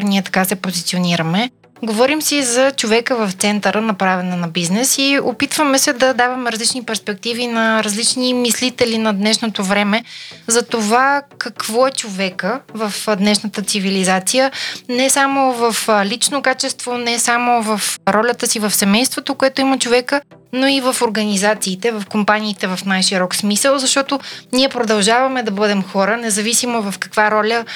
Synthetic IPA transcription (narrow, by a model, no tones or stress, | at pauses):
niɛt̪ɐ̥kasɛpozit̪sioniɾəmɛ | ɡovɔɾimsɛizɐt͡ʃovɛkəvɐft̪sɛnt̪əɾənɐpɾavɛnɛnɐbiznɛsiopit̪vəmɛsɛd̪ɐd̪avɐmɛɾɐzlit͡ʃnipɛɾspɛk̚t̪ivinɐɾɐzlit͡ʃnimislit̪ɛlinɐd̪nɛʃnot̪ovɾɛmɛzɐt̪ovakɐkvɔɛt͡ʃovɛkəvəfd̪nɛʃnət̪ət̪sivilizat̪sijənɛsamovɐflit͡ʃnokat͡ʃɛst̪vonɛsamovɐfɾɔlʲət̪əsivɐfsɛmɛjst̪vot̪okoɛt̪oimət͡ʃovɛkə | noivɐfoɾɡɐnizat̪siːt̪ɛvɐfkompaniːt̪ɛvɐfnajʃiɾɔksmisəlˠzɐʃt̪ɔt̪oniɛpɾod̪ɐlˠʒavɐmɛd̪ɐbɤd̪ɛmxɔɾənɛzɐvisimovɐfkɐ̥kvaɾɔlʲə